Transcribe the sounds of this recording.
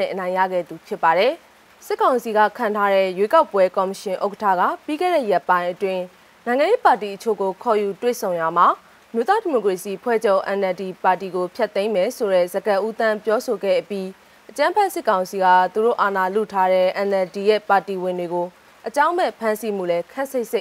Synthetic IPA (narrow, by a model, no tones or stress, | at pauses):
ɛ̰̃ʔənãɪ̃ja̰ɡɛ̰d̪upʰjɪpːaɾɛ | sɪkːãʊ̃nsiɡä̰kʰãntʰaɾɛ̰jwekaʊpːwɛkɔməʃɪ̃ʔoʊkətʰä̰ɡa̰piɡɛ̰ɹɛ̰jɛpːãɪ̃ʔətwɪ̃ | nãɪ̃ŋãjepatiʔət͡ɕʰo̰ɡokʰɔjutwḛsʰõʊ̃jam̥a | əmjot̪adimokɹesiʔəpʰwɛ̰d͡ʑoʊʔɛ̃nɛldipatiɡopʰjt̪ːẽɪ̃mɛsoɾɛzəɡãʔut̪ãmpjɔsoɡɛ̰ʔəpji | ʔət͡ɕãmpʰɛʔsɪkːãʊ̃nsiɡa̰t̪uɾo̰ʔanalṵtʰaɾɛʔɛ̃nɛldijɛ̰patiwɪ̃ndweɡo | ʔət͡ɕãʊ̃mbɛpʰãnsim̥ṵlɛkʰɛʔseɪʔse